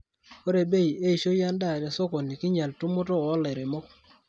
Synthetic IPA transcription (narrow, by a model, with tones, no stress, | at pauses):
o˦ɾe˨be˦je˦i˨ʃo˦ja˦nda˦˨ɾa˨so˦ko˨ni˨ki˦ɲa˨ltu˦mʊ˦tɔ˦ɔ˦le˨ɾe˨mɔ˦k̚